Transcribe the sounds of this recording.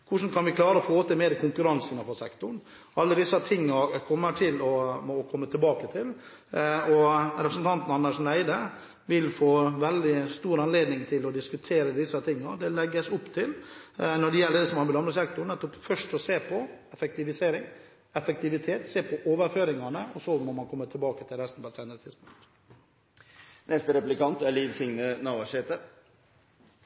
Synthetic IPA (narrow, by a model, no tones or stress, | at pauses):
kʰʊʂn̩kʰɑnʋɪkʰlɑːɾəɔfoːt̪əmeːd̪kʰʊŋkʉɾɑnsənəfɔsɛkt̪ʊɳ | ɑlːəd̪ɪsət̪ʰɪŋːɑɾkʰɔmːəʈʰɪlɔkʰɔmːət̪ʰɪlbɑːkət̪ʰɪl | ɔɾɛpɾəsn̩t̪ɑnt̪n̩ɑnːəʂn̩æɪd̪ə | ʋɪlfoːʋɛld̪ɪst̪uːɾɑnleːd̪nɪŋt̪ʰɪlɔd̪ɪskʉt̪ʰeːɾəd̪ɪsət̪ʰɪŋːɑd̪ɛlɛɡːəsʊpt̪ʰɪlnɔɖɛjɛlːəɖɛsɔmhɑɾbɪlɑmləsɛk̚t̪ʊɳnɛt̪ːɔpfœʂʈɔseːpʰɔɛfɛk̚t̪ɪʋɪseːɾɪŋ | ɛfək̚t̪ɪʋɪt̪ʰeːt̪seːpʰɔʔoːʋəɾføːɾɪŋɑnəɔsɔmɔmɑnkʰɔmːət̪ʰɪlbɑːkət̪ʰɪlɾɛst̪n̩pʰɔɛt̪sæɪnəɾət̪ʰɪd̪spʊŋkt̪ | nɛst̪əɾɛplɪkʰɑnt̪æɾliːd̪sɪŋnənɑːʋɑʂeːt̪ə